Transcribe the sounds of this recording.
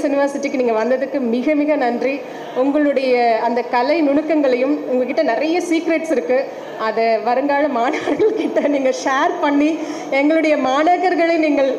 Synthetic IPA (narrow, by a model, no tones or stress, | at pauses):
sɪnɪʋɐɾsɪʈːikːɯniːŋɡɐʋɐnd̪ɐðɯkːɯmɪɣɐmɪɣɐnɐndri | ʊŋɡɐɭɯɽɐjɐːnd̪ɐkɐlɐɪnʊɳɯkːɐŋɡɐɭɐjɯmʊŋɡɐk̬ːɪʈːɐnɪɾɐjɐsiːkɾeʈsɪɾɯkːɯ | ɐðɐʋɐɾɯŋɡaːɻɐmaːnɐɣɐɾɣɐɭkɪʈːɐniːŋɡɐʂaːɾpɐɳːi | ɛŋɡɐɭɯɽɐjɐmaːnɐɣɐɾɣɐɭeniːŋɡɐɭ